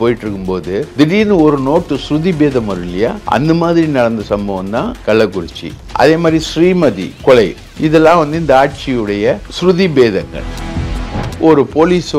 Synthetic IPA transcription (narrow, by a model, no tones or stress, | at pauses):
poːjɪʈːɾɯkːɯmpoːðɯd̪ɪɽinɯɔɾɯnoːʈːɯsɾʊðibeːðɐmɐɾɯɪlɐjaːɐ̰nd̪ɐmaːðɪɾinɐɽɐnd̪ɐsɐmbɐʋɐ̃nt̪ãːkɐɭːɐkːʊɾɪt͡ʃːḭʔɐ̰ðeːmaːd̪ɾisɾiːmɐðḭkɔɭɐɪ | ɪðɛlːãːʋɐnd̪ɯɪnd̪ɐaːʈ̚t͡ʃijɯɽɐjɐsɾʊðibeːðɐŋɡɐ̰ɭ | ɔɾɯpoːliːs